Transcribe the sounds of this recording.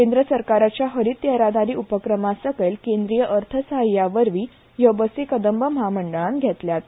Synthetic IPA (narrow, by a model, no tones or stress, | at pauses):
kend̪ɾəsəɾkaɾat͡ɕjaɦəɾit̪jəɾad̪aɾiːʔupəkɾəmasəkelkend̪ɾijəʔəɾt̪ʰəsəɦajːaʋəɾʋiː | jəbəsekəd̪əmbəmɦaməɳɖəɭanɡʱɛt̪ljat̪